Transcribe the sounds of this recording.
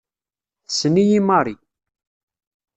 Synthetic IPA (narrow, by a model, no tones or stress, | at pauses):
θəsənijimɑɾˤi